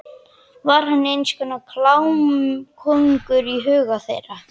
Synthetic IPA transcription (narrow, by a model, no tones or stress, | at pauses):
vaɾ̥hanːejnskʏnakʰlawmkʰɔŋkʏɾiɦʏːɣaθejra